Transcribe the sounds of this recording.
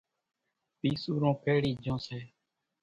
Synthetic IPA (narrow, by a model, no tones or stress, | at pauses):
piːsuːɾõːpʰeːɽiːd͡ʒõːseː